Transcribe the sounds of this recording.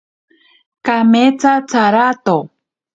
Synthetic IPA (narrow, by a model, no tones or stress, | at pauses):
kamet͡sat͡saɾat̪o